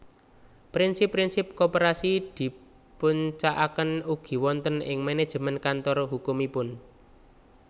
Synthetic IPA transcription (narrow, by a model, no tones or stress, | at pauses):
pɾinsɪpːɾinsɪp̚kopeɾasid̪̥i̤ | puɲt͡ʃaʔakənuɡ̥i̤wɔnt̪ənɪ̰ŋmened̥ʒ̥ə̤mənkant̪ɔrhukumipʊn